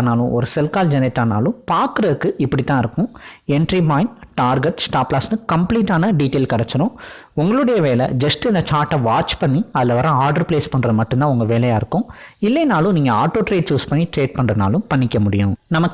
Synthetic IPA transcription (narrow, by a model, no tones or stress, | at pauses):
naːlʊ̃ʔɔɾɯsɛlkaːld͡ʒɛnɪʈːaːna̰ːlʊ̃paːɾkɯɾɐɯkːɯɪpːɐɽit̪ːãːɪɾɯkːʊ̃ɛɳʈɾimaːɪnʈaːɾɡɛʈsʈaːplaːsnɯkɐmpliːʈːaːnɐɖiːʈeːlkɐɽɛt͡ʃːɪɾʊ̃ | ʊŋɡɐɭɯɽɐjɐʋeːlɛ̰d͡ʒɐsʈɪnd̪ɐt͡ʃaːɾʈːɐʋaːt͡ʃpɐɳːiɐðɪlɐʋɐɾãaːɾɖɐɾpleːspɐɳːɾɐðɯmɐʈːɯnt̪ãːʊŋɡɐʋeːlɐjaːɪɾɯkːʊ̃ɪlːɛjnaːlʊ̃niːŋɡɐaːɾʈːoːʈɾeːʈ̚t͡ʃuːspɐɳːiʈɾeːʈ̚pɐɳrɐna̰ːlʊ̃pɐɳːɪkʲːɐmʊɽɪjʊ̃nɐmɐkː